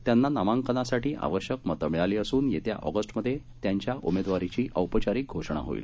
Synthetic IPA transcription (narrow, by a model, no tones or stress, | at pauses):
t̪janːanamãŋkənasaʈiːʔa̰ʋəɕjəkmət̪əmɭaliːəsuːnjet̪ja̰ʔɔ̰ɡəsʈməd̪ʱːje | t̪jaɲt͡ɕjaʔumed̪ʋaɾit͡ɕiːʔəwpət͡ɕaɾiːk̚ɡʱoʂɳ̃a̰ɦo̰ḭːl